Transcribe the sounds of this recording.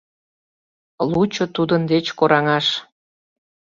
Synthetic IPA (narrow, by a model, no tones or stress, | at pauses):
lut͡ɕŏt̪ud̪ənd̪et͡ɕkoɾɑŋɑʃ